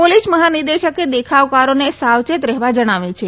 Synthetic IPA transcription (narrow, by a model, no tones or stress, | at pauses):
polisməɦanid̪eʃəked̪ekʰaʋkaɾonesawt͡ʃet̪ɾɛɦʋad͡ʒəɽ̃aʋjũt͡ʃʰe